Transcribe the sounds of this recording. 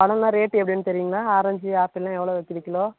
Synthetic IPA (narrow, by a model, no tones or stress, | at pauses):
ɐɽɐ̃nãːɾeːʈːɛpːɐɽɪnːɯt̪ɛɾɪjiŋɡɐɭaːaːɾɐɲd͡ʒaːpɪlːãːɛʋːɐɭoːʋɐk̪ːɪʋɪkːɐloː